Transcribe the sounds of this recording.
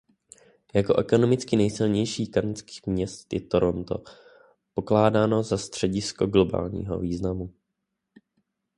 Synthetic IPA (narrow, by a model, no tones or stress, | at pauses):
jako̞ʔɛko̞no̞mɪt͡skɪnɛjsɪlɲɛjʃiːkant͡ski̥ːxmɲɛst̪jɛt̪o̞ɾo̞nt̪o̞̰ | po̞klaːdaːno̞zast̪r̥ɛɟɪsko̞ɡlo̞ba̰ːlɲḭːɦo̞̰viːznamu